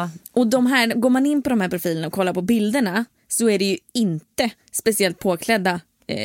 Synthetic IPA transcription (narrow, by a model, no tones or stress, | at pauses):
ʔɔd̪ɔmɦæːɾɡoːɾmanɪnːpɔd̪ɔmhæːɾpʰɾʊfiːlənaɔkʰɔlːaɾpɔbɪld̪əɳa | sɔæɖɛjɵɪnt̪ə | spɛsɪɛlt̪̚pʰoːkʰlɛd̪ːa